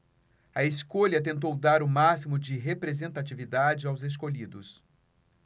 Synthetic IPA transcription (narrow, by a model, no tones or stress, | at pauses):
ɐeskoʎɐt̪̬ẽnt̪̬owd̪aɾʊmasimʊd͡ʒɪɦepɾezẽnt̪at͡ʃivid̪ad͡ʒɪawzes̬koʎid̪ʊs